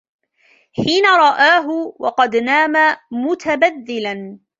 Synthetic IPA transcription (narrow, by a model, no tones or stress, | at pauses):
ħiːnaɾˤɑʔaːɦʊwɑ̰qɑd̪naːmamʊt̪ʰabaðːɪlan